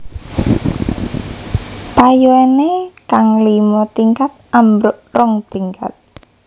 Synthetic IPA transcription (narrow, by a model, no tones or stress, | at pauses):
pajoenekaŋlimɔt̪iŋkat̪̚ʔambɾʊʔrɔŋt̪iŋkʰa̰t̪̚